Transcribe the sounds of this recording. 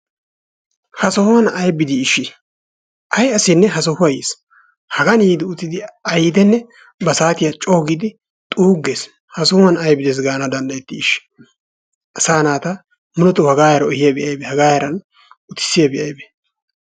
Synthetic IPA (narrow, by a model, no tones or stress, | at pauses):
hɐsɔhʊwɐnɐjbɪd̪ɪːʃːɪ | ʔɐjɐsɪnːɛɦɐsɔhʊwɐjḛːs | hɐɡɐniːd̪ɪʊt̪ːɪd̪ɪɐjd̪ɛnːɛ | bɐsaːt̪ɪjɐt͡ʃʼo̞ːɡid̪ɪ | t̪ʼuːɡːeːs | hɐsɔhʊwɐnɐjbɪd̪es̬ɡaːnɐd̪ɐnd̪ɐjɛt̪ːɪːʃːɪ̥ | ʔɐsaːnaːt̪ɐ | mʊnɔt̪ʊhɐɡaːjɐɾɐɔhɪjɐbɪʔɐjbehɐɡaːjɐɾɐn | ʊt̪ɪ̥sːɪjɐbɪʔɐjbe